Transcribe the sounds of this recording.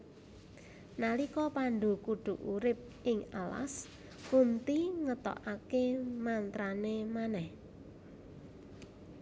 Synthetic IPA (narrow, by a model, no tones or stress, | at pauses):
nalikɔpaɳɖo̤kuɖ̪̥ṳʔuɾɪp̚ʔɪŋala̰s | kunt̪iŋət̪ɔ̰ʔakemant̪ɾanemanɛh